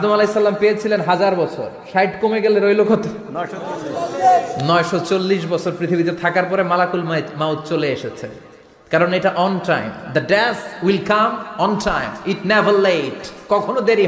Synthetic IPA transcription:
ad̪omalesːalampeet͡ɕʰilenɦad͡ʑaɾbɔt͡ɕʰo̰ɾʃajʈkomeɡeleɾojlokʰot̪ | nɔeʃɔt͡ɕolːiʃ̬bɔt͡ɕʰoɾpɾit̪ʰibit̪et̪ʰakaɾpɔɾemalakulmmawt̪t͡ɕoleeʃet͡ɕʰḛ | kaɾoneʈaʔɔnʈajmd̪ɐɖɛswilkamɔnʈajmiʈnɛvəɾlejʈkɔkʰonod̪eɾi

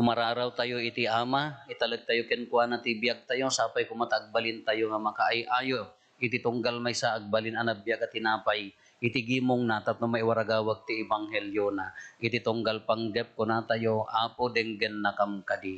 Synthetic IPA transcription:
kʊmɐɾaːɾawt̪ɐjoɪt̪iʔaːmaʔɪt̪ɐlɐɡ̚t̪ɐjokɛnkʊwanat̪ibjaɡ̚t̪ɐjosaːpajkʊmat̪aʔɡ̚balɪnt̪ɐjoŋɐmɐkaʔajʔʔaːjo | ʔɪt̪ɪt̪ʊŋɡalmajsaʔaɡ̚balɪnanabjaɡɐt̪ɪnaːpaj | ʔɪt̪ɪɡiːmʊŋnat̪at̪̚nomaɪwaɾaɡaːwaɡ̚t̪iɪbaŋhɛljonaʔɪt̪ɪt̪ʊŋɡalpɐŋɡɛp̚konat̪ajoʔaːpod̪ɛŋɡɛnːɐkamkɐd̪i

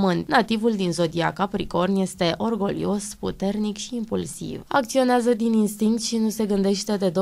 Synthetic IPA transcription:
mɨnt̪nat̪ivuld̪inzo̞d̪iakapɾḭko̞rnje̞st̪e̞ʔo̞rɡo̞lḭo̞spṵt̪e̞rnikʃiːmpulsḭva̰kt̪sio̞neazəd̪ininst̪iŋkt̪ʃinuse̞ɡɨnd̪e̞ʃt̪e̞d̪e̞d̪o

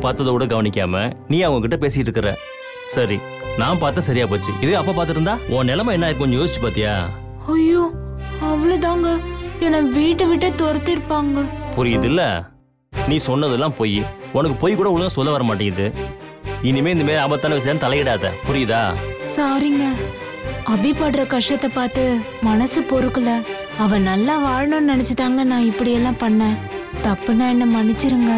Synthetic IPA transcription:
paːɾt̪ːɐðɐkuːɽɐɡɐʋɐnɪkʲːa̰ːmɐnĩːɐʋɐŋɡɐkːɪʈːɐpeːsɪjʈɾɯkːɯɾḛ̃ː | sɐɾi | nãːpaːɾt̪ːẽːsɐɾɪjaːpoːt͡ʃːɯ̰ɪðɐjõːɐpːaːpaːɾt̪ɯɾɯnd̪aːʔõːnɛlɐmaːɛnːaːɪɾɯk̬ːʊ̃ɲjoːsɪt͡ʃːɯpaːɾt̪ɪja̰ː | ɐjoː | ɐʋɐɭod̪aːŋɡɐɛnɐʋiːʈːɯʋɪʈːeːt̪ɔɾɐt̪ːɪɾɯpːaːŋɡɐpʊɾɪjɐðɪlːɐ̰ | nĩːsɔnːɐðɛlːãːpoːjiɔnɐkːɯpoːjkːuːɽɐʊɭnãːsɔlːɐʋɐɾɐmaːʈːɪŋɡɐðɯ | ɪnɪmeːɪnd̪ɐmeːɾaːbɐt̪ːaːnɐʋɪs̬ɐaːt̪ɐlɐjɪɽaːðɛ̰pʊɾɪjɪða̰ːsaːɾɪŋɡɐ | ɐbɪpaːɽɪɾɐkɐʂʈɐt̪ːɐpaːɾt̪ɯ | mɐnɐsɯpoːɾɯkːɐlɐ | ɐʋɐ̃nɐlːãːʋaːɻɐnõnnɐnɛt͡ʃːɯt̪aːŋɡɐnãːɪpːɐɽɪjɛlːãːpɐɳːẽːt̪ɐpːɯnãːɛnːɐmɐɳːɪt͡ʃːɪɾɯŋɡɐ

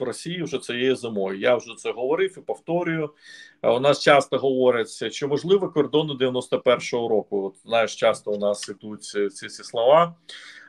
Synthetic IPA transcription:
rɔsʲijiwʒɛt̪sɔjejizɪmɔjʊjawʒɛt̪sɛɦɔʋɔɾɪwipɔwt̪ɔɾʲʊjʊ | ʊnɑst͡ʃɑst̪ɐɦɔʋɔɾʲɐt͡sʲɐʃt͡ʃt͡ʃɔmɔʒlˠɪʋɛkɔrd̪ɔnɪd̪eɪʋʲjɐnɔst̪ɐpɛrʃɔɦɔɾɔkʊɔt̪najɪʃt͡ʃɑst̪ɔʊnɑsɪt̪ut͡s̪ʲsʲisʲislˠɔʋɑ

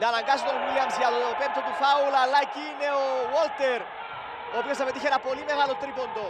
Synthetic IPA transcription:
nɐːnɐŋɡɐsit̪onɣiliɐmsjɐt̪ot̪opent̪ot̪uθɐulɐlːɐciːne̞owolt̪e̞ɾ | oːpist̪ɐpet̪içeɾɐpo̞lime̞ɣɐlot̪ɾiko̞nd̪o

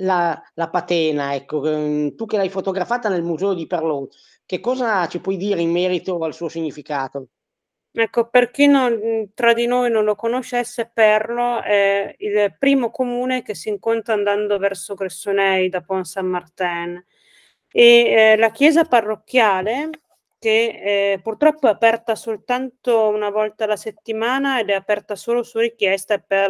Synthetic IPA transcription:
lalapat̪ɛːnaɛkːot̪ukelajfot̪oɡɾafaːt̪anelmuzɛːod̪iperlo | kekːɔːzat͡ʃipwɔjd̪iːɾeimːɛːɾit̪oalsuːosiɲːifikaːt̪o | ɛkːoperk̟inont̪ɾad̪inoːjnonlokonoʃɛsːepɛrloɛilpɾiːmokomuːnekesːiŋkont̪ɾand̪and̪ovɛrsoɡɾesːonɛjd̪apɔnsamːart̪ɛn | elak̟jɛːzaparːok̟ːjaːle | kepurt̪ɾɔpːoɛapɛrt̪asolt̪ant̪ounavɔlt̪alaset̪ːimaːnaed̪ɛapɛrt̪asoːlosuɾikjɛst̪ape

